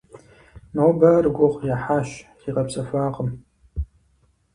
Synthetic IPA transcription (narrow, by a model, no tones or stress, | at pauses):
nobɐrɡʷʊχʷjaħaʃ | iqʼɐpsʼɐfaːqʼəm